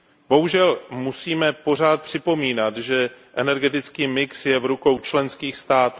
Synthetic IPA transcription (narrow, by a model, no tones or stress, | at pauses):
b̥o̞ɦuʒɛlmusiːmɛpo̞r̝aːt̪̚pr̝̥ɪpo̞miːnat̪ʒɛʔɛnɛɾɡɛt̪ɪt͡skiːmɪksjɛvɾuko̞wt͡ʃlɛnskiːxst̪aːt̪ː